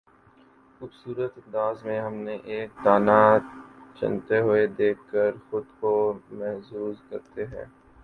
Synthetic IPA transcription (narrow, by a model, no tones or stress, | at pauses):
xʊbsuːɾət̪ɐ̃nd̪aːzmẽɦɐmneʔeːk̚d̪aːna | t͡ʃɐ̰nt̪eɦʊed̪eːkːəɾxʊd̪komɛɦsuːzkɐɾt̪eɦɛ̰̃ː